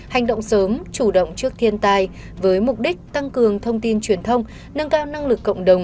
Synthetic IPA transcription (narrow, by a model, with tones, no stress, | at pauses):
ha˨˩jŋ̟ɗo̰˧˨wŋ͡msəː˨˦mt͡ɕu˧˩ɗə̰˧˨wŋ͡mt͡ɕɨ˦˥ək̚t̪ʰi˧ənt̪aː˧j | vəː˨˦jmʊ˨˩k͡p̚ɗï˦˥k̟̚t̪a˧ŋkɨ˨˩əŋt̪ʰə˧wŋ͡mt̪i˧nt͡ɕwi˨˩ənt̪ʰə˧wŋ͡m | nə˧nkaː˧wna˧ŋlɨ˨˩kːə̰˧˨wŋ͡mɗə˨˩wŋ͡m